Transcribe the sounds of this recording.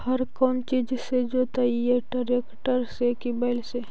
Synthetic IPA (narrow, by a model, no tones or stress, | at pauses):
hɐɾkɔːmt͡ʃid͡ʒsed͡ʒot̪aieɖɐɾekʈəɾsekibaɪlse